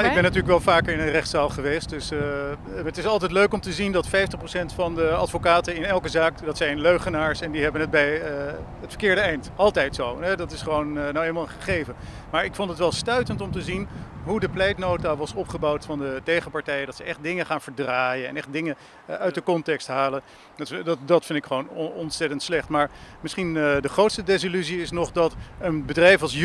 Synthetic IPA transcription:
ɪɡɡbɛnːatyːɹləkʋɛlˠvaːkəɹɪnənrɛχtsaːlˠχəʋejst̚dɵs | ətɪsɑlˠtɛjtløɥkɔmtəzindɑtfɛjftəχproʊsɛntfɑndəɑtfokaːtənɪnɛlˠkəzaːkdɑtsɛjnløɥχənaːɹsɛndiɦɛbənɦət̚bɛj | ətfə̥ɹkɪːɹdəɛjntɑlˠtɛjtsowɦɛdɑtɪsχəʋownnawejləmalˠχəχejvə | maːɹɪkfɔntətʋɛlˠstœɥtəntɔmtəzinɦudəplɛjtnowtaʋɑsɔpχəbɑwtfɑndətejχəpɑɹtɛjədɑtsəʔɛχt̚dɪŋəχaːnv̥əɹdraːjənɛ̰nɛχt̚dɪŋə | œɥt̚dəkɔntɛkstɦaːlən | dtdɑdɑtfɪndɪkχəʋownɔnsɛtəntslɛχtmaːɹmɪsχindəχrowtstədɛs̬ilyziɪsnɔχdɑtənbədrɛjfɑlˠs

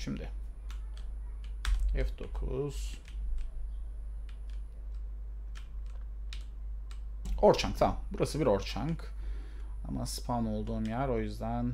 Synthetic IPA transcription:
ʃimd̪ɪ | ɛfd̪o̞kʰṵz̥ | o̞ɾt͡ʃʰaŋk̚t̪ʰamambuɾasɯbiɾo̞ɾt͡ʃʰaŋk | a̰ma̰spʰano̞lˠd̪uːmjæɾo̞jyzd̪æn

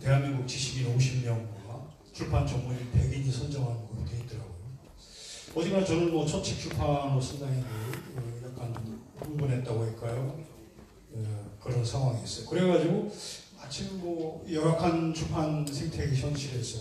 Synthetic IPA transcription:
te̞ɦanmiŋɡuk̚t͡ɕiɕʰiɡinoɕʰimɲʌnɡwa | t͡ɕʰuɭpʰant͡ɕʰʌŋuɾipe̞ɡiɲisʰʌnd͡ʑʌŋɦanɯnɡʌot͈eit͈ɯɾaɡojo | ʌd͡ʑimant͡ɕʌnɯnmʌt͡ɕʰʌt͡ɕʰit͡ɕʰupʰanosʰʌndaŋidemojak͈anuŋbɯnɦe̞t̚t͈aɡoɦek͈ajo | ekɯɾʌnsʰaŋɦwaŋies͈ʌjokɯɾe̞ɡad͡ʑiɡomat͡ɕʰimmʌjʌɾakʰant͡ɕʰuɭpʰansʰe̞ŋtʰe̞ɡiɕʰʌnɕʰiɾes͈ʌ

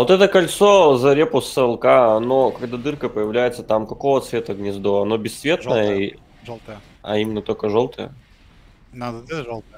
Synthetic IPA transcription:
vo̞t̪ɛt̪əkɐlʲt̪so̞zɐɾʲepʊsəlˠkaɐno̞kɐɡd̪ad̪ɨrkəpəjɪvlʲæjɪt̪sət̪amkɐko̞vət̪svʲet̪əɡnʲɪzd̪oɐno̞bʲɪsːvʲe̞t̪nəjəi | lˠt̪j | ɐ̰imʲɪnːət̪okəʐo̞lˠt̪ʰəjə̰

